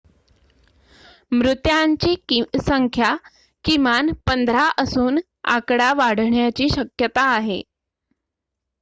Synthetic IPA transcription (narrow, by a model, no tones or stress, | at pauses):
mɾut̪jaɲt͡ɕiːsəŋkʰja | kimanpənd̪ʱɾaʔəsuːn | a̰kɽaʋaɽ̤ɳjat͡ɕiːɕəkjət̪aːɦe